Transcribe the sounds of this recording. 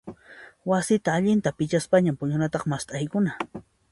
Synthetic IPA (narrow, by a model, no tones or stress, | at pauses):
wasɪt̪aːʎɪnt̪apɪt͡ʃaspaɲampʊɲʊnat̪ɑχmast̪ʼajkʊna